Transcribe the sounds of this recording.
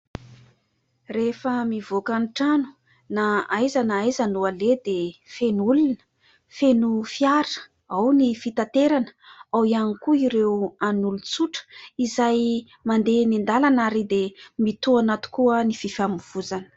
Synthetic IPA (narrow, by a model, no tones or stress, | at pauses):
refəmivokaniʈ͡ʂanu̥ | naajzanajzanualed̪efenulunə | fenufiaɾ | awnifit̪at̪eɾanəawianikuiɾewanulut͡suʈ͡ʂə̥izaj | mand̪enind̪alanaɾid̪emit̪uanat̪u̥kuənififamuv̥uzanə̥